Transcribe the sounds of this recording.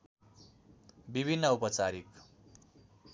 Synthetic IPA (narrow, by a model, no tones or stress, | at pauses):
bibʱinːʌupʌt͡saɾik